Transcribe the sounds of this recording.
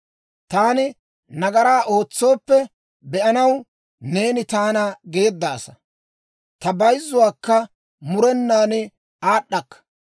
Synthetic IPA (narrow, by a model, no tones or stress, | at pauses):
t̪aːnɪ | nɐɡɐɾaːʔo̞ːt͡sːo̞ːpːɛ | bɛʔɐnɐw | ne̞ːnɪt̪aːnɐɡe̞ːd̪ːaːsɐ | t̪ɐbɐjzːʊwaːkːɐ | mʊɾɛnːaːnɪ | aːɗːɐkːɐ̥